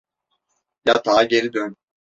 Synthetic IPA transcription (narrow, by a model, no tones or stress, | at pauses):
jat̪ʰaːɟeɾid̪øn